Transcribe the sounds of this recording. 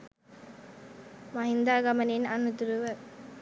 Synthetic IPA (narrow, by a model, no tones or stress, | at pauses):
maɦind̪aːɡaməninanːut̪uɾuʋə